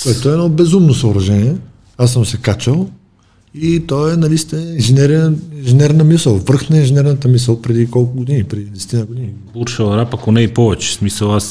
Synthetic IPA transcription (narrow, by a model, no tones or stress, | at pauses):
koɛt̪oɛːnɔbɛzumnosəʊɾɐʒɛniɛ | asːəmsɛkat͡ʃəlˠ | it̪ɔɛnɐlist̪ɛinʒɛnɛɾɛinʒɛnɛɾnəmisəlˠvɾxnəinʒɛnɛɾnət̪əmisəlˠpɾɛd̪ikɔlˠkʊɡod̪inipɾɛd̪iid̪ɛsɛ̥t̪inəɡod̪ini | buɾʃəlˠɾapɐkonɛipɔvɛt͡ʃɛ̥smisəlˠas